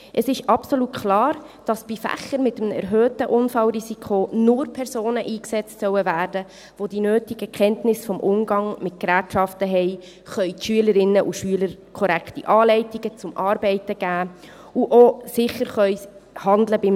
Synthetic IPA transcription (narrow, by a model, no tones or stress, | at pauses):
ʔəsɪʃɑpsolutkʰlɑːɾ | d̥ɑsb̥ifæ̰χəɾmɪtəmɛ̰ɾɦøːtəʔʊnfɑlɾizikʰonʊɾpʰɛɾsoːnəʔiːksɛt͡stsœwəvæːɾdə | ʋod̥inøːtiɡ̥əkʰχɛntnɪsfɔmʔʊmɡɑŋmɪt̚kɾæːtʃɑftəɦɛɪ | χœʏtʃyələɾɪnːəʔuʃyələɾkʰɔɾæktiʔɑːlɛɪtiɡət͡sʊmʔɑːɾbɛɪtəɡ̥æː | uʔosɪχəɾχœʏhɑnd̪ləbɪm